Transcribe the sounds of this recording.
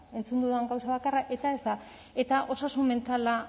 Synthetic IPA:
e̞nt͡sund̪uðueŋɡawsaβakaraʔe̞t̪ae̞zd̪a | e̞t̪aʔo̞sasumme̞nt̪ala

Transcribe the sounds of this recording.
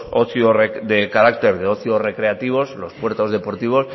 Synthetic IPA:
oθjored̪ekaɾakt̪e̞ɾðeo̞θjore̞kɾe̞at̪iβ̞o̞slo̞spwe̞ɾt̪o̞zðe̞po̞ɾt̪iβ̞o̞s

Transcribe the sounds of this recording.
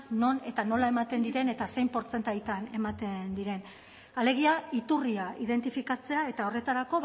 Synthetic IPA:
no̞ne̞t̪ano̞lae̞mat̪e̞nd̪iɾe̞ne̞t̪ase̞jmpo̞ɾt͡se̞nt̪ajt̪ane̞mat̪e̞nd̪iɾe̞n | ale̞ɣ̞iait̪uriaið̞e̞nt̪ifikat͡se̞ae̞t̪ao̞re̞t̪aɾako̞

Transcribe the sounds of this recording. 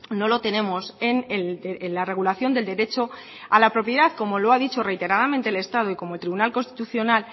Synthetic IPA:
no̞lo̞t̪e̞ne̞mo̞senellare̞ɣulaθjo̞nd̪e̞ld̪e̞ɾe̞t͡ʃo̞ | alapɾo̞pjeðaðko̞mo̞loaðit͡ʃo̞re̞jt̪e̞ɾað̞amẽnt̪eːle̞st̪að̞o̞iko̞molt̪ɾiβunalko̞nst̪i̥t̪uθjo̞nal

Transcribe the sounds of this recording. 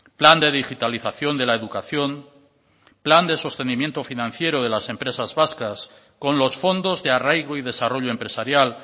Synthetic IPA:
pland̪e̞ð̞ixit̪aliθaθjo̞nd̪e̞laeðukaθjo̞n | pland̪e̞so̞st̪e̞nimje̞nt̪o̞finãn̟θje̞ɾoð̞e̞lase̞mpɾe̞sazβaskas | ko̞nlo̞sfo̞nd̪o̞zðearajɣoiðe̞saro̞ʎoe̞mpɾe̞saɾjal

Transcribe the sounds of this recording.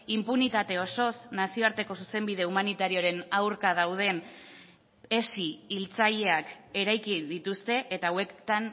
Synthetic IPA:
impunit̪at̪e̞o̞so̞snasio̞aɾt̪e̞ko̞suse̞mbið̞e̞umanit̪aɾio̞ɾe̞nawɾkað̞awð̞e̞n | e̞siːlt͡saʎe̞ake̞ɾajkid̪it̪ust̪e̞ʔet̪awe̞kt̪an

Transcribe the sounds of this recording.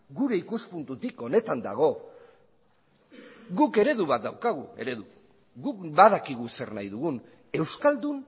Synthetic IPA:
ɡuɾe̞ikuspunt̪ut̪iko̞ne̞t̪and̪a̰ɣ̞o̞ | ɡuke̞ɾe̞ðuβat̪̚d̪awkaɣ̞ue̞̰ɾe̞ðu | ɣukbaðakiɣ̞use̞rnajðuɣun | e̞wskald̪un

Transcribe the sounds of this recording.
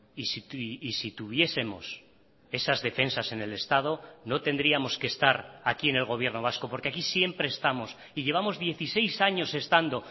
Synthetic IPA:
isiiːsit̪uβ̞je̞se̞mo̞s | e̞sazðe̞fe̞nsase̞ne̞le̞st̪að̞o̞no̞t̪e̞nd̪ɾiamo̞ske̞ːst̪aɾakie̞ne̞lɣ̞o̞β̞je̞ɾno̞β̞asko̞poɾke̞akisje̞mpɾe̞ːst̪amo̞s | iʎe̞β̞amo̞zðje̞θise̞jsaɲo̞se̞st̪and̪o̞

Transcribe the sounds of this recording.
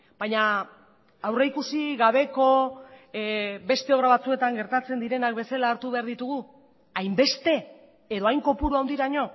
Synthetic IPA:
b̥ajɲa | awreikusiɣaβ̞e̞ko̞ | be̞st̪e̞o̞βɾaβat͡sue̞t̪aŋɡe̞ɾt̪at͡se̞nd̪iɾe̞nakbe̞selaːɾt̪uβe̞aɾðit̪uɣ̞u | ajmbe̞st̪e̞ | eðo̞ajŋko̞puɾuawnd̪iɾaɲo̞

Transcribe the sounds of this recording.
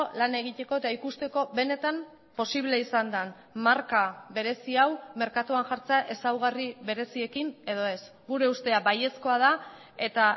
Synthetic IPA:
lane̞ɣ̞it̪e̞ko̞e̞t̪aikust̪e̞ko̞βe̞ne̞t̪am | po̞siβle̞isand̪an | maɾkaβe̞ɾe̞siawme̞ɾkat̪uanʝaɾt͡seaʔe̞sawɣariβe̞ɾe̞sie̞kine̞ð̞o̞e̞s | ɡuɾe̞ust̪e̞aβaje̞sko̞að̞a | e̞t̪a

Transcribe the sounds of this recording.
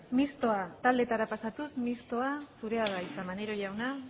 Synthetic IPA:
mist̪o̞at̪ald̪e̞t̪aɾapasat̪usmist̪o̞asuɾe̞aɣajt͡samane̞ɾo̞ʝawna

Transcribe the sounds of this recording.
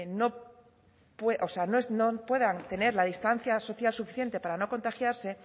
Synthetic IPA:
no̞ | pweʔoseanoesnopwe̞ðant̪e̞ne̞ɾlaðist̪an̟θjaso̞θjalsufi̥θje̞nt̪e̞paɾano̞ko̞nt̪axjaɾse̞

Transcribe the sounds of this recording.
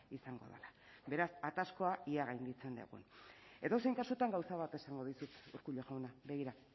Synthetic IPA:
isaŋɡo̞̰ðḛlabe̞ɾasat̪asko̞aiaɣajnd̪it͡se̞nd̪ḛɣṵne̞ðo̞sejŋkasut̪aŋɡawsaβat̪e̞saŋɡo̞ðisut̪uɾkuʎoʝawnabe̞ɣiɾa

